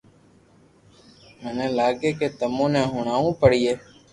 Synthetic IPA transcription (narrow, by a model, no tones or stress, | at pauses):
mənẽːlaːɡeːkeːt̪əmõːnɛ̃ːɦʊɳaːʋũːpəɽiːeː